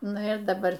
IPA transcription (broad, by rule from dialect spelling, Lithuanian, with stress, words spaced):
ˈnʊ ɪr dɐˈbɐr